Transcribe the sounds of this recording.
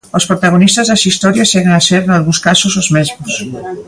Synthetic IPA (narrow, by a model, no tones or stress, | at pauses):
ospɾot̪aɣ̞onist̪azðasist̪ɔɾjasɛɣeŋaseɾnalɣũnskasozozmezmos